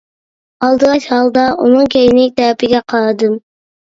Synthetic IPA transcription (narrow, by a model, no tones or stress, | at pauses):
ɑlˠd̪ɨʁɑt͡ʃhɑlˠd̪ɑʔunɨŋkʲʰejinɪk̚ʲt̪ʰæːpʰɪɡʲɛqʰɑɾɨd̪ɨm